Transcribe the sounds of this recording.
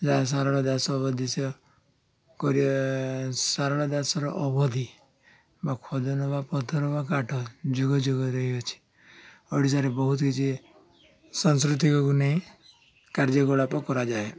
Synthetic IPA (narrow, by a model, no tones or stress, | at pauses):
d͡ʒas̬aɾɔɽ̃ɔd̪asɔːbɔd̪ʱise | kɔɾi | saɾɔɽ̃ɔd̪asɔɾɔ̰ʔɔbɔd̪ʱi | bakʰɔd̪ɔnɔbapɔt̪ʰɔɾɔbakaʈʰɔd͡ʒuɡɔd͡ʒuɡɔɾɔɦiɔt͡ʃʰi̥ | ɔɽis̬aɾebɔɦut̪kit͡ʃʰi | sɔns̬kɾut̪̬ikɔkunaĩ | kaɾd͡ʒɔɡɔɽapɔkɔɾad͡ʒae